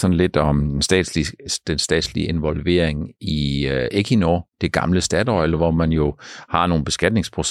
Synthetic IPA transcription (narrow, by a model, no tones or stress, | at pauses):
sɒnle̝d̥ɒ̽mensd̥ɛ̰̥ːlid̥ensd̥ɛ̰ːd̥slie̝nʋɒ̽lʋe̝̰ɐ̰e̝ŋiʔekʰinoːd̥e̝ɡ̥ɑ̈mləsd̥æd̥ɒɪelɐʋɒmænjo̝hɑ̈no̝ːn̩b̥e̝sɡ̥æd̥ne̝ŋspʰʁo̝s